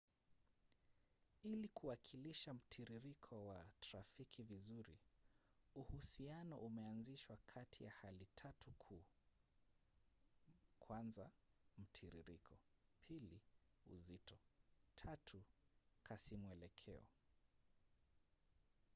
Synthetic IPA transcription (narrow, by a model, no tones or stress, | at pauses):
ilikʰuwakʰiliʃam̩tʰiɾiɾikʰɔwataɾafikʰivizuɾi | uhusianɔʔumɛanziʃwakʰatʰijahalitʰatukʰuː | kʰwanzam̩tʰiɾḭɾikʰɔpʰiliṵzitʰɔtʰatʰukʰasimwɛlɛkʰɛ̰ɔ̰